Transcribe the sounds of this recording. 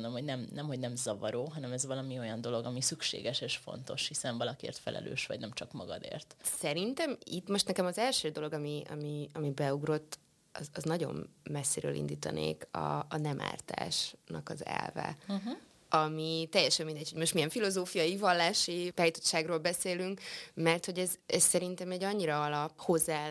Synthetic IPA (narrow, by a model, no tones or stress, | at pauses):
nd̪omho̞ɟnɛmnɛmho̞ɟnɛmzɒvɒɾoːɦɒnɛmɛzʋɒlɒmio̞jɒnd̪o̞lo̞ɡɒmisykʃḛːɡɛʃeːʃfo̞̰nt̪o̞ʃhisɛnvɒlɒkiḛːrt̪fɛ̰lʔɛ̰lø̰ːʃʋɒ̰ɟnɛmt͡ʃɒkmɒɡɒd̪ḛːrt̪sɛɾint̪ɛmit̪mo̞ʃt̪nɛkɛmɒzɛlʃøːd̪o̞lo̞ɡɒmiɒ̰miɒmibɛuɡro̞t̪ː | ɒzɒznɒɟo̞̰mmɛsːeːɾøːlḭnd̪iːt̪ɒ̰nḛːkɒ̰ːnɛmʔa̰ːrt̪a̰ːʃnɒkɒzɛ̰lvɛ̰ | ɒmit̪ɛjɛʃɛmːind̪ɛcho̞ɟmo̞ʃt̪mijɛɱfilo̞zoːfijɒjivɒlːaːʃit̪aːjit̪ot̪ʃaːɡroːlbɛseːlyŋkmɛrt̪ho̞ɟɛzɛssɛɾint̪ɛmɛɟɒɲːiɾɒɒlɒpho̞zːaː